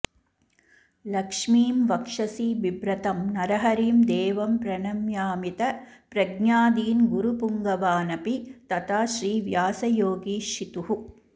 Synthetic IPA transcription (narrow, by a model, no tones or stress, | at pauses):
lɐkʂmiːmʋɐkʂɐsiːʋibɾɐt̪ɐmnɐɾɐɦɐɾiːmd̪eːʋɐmpɾɐnɐmjaːmit̪ɐpɾɐɡɲaːd̪iːnɡuɾupuŋɡɐʋaːnɐpit̪ɐt̪ʰaːʃɾiːʋjaːsɐjoːɡiːʃit̪uɦu